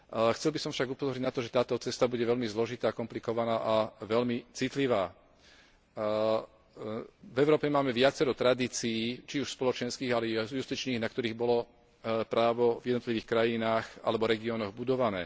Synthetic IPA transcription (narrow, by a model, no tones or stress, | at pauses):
xt͡sɛlbisɔmfʃaɡupɔzɔɾɲiɟnat̪ɔʒɛt̪aːt̪ɔt͡sɛst̪abuɟɛʋɛʎmizlɔʒit̪aːkɔmplikɔʋanaːʔaʋɛlmit͡sit̪liʋaː | vɛʊɾɔːpɛmaːmɛʋɪat͡sɛɾɔt̪ɾad̪iːt͡sijiːt͡ʃiuʃspɔlɔt͡ʃɛnskiːɣalɛjust̪it͡ʃniːɣnakt̪ɔɾiːɣbɔlɔ | pɾaːʋɔvjɛd̪ɔt̪liʋiːxkɾajinaːxa̰lɛbɔɾɛɡiɔːnɔɣbud̪ɔʋanɛː